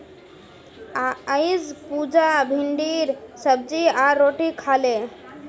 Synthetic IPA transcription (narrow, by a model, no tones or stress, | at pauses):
ajzpud͡ʑabʱiɳɖiɾsəb̚d͡ʑiaɾːoʈikʰale